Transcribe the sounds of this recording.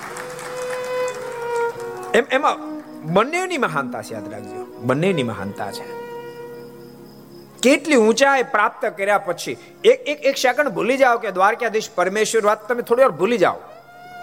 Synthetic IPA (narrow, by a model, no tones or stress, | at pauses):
ememãbənːeʋniməɦant̪a̰t͡ʃʰja̰ːd̪ɾa̰ɡd͡ʒḛbənːeniməɦa̰nt̪a̰t͡ʃʰe̥ | keʈliũt͡ʃaepɾap̚t̪əkəɾjapət͡ʃʰi | ekekekʃakəɳbʱulid͡ʒaʋoked̪ʋaɾkjad̪eʃpəɾmeʃʋəɾʋat̪t̪ːəmet̪ʰoɽiaɾbʱulid͡ʒa̰ʋo̰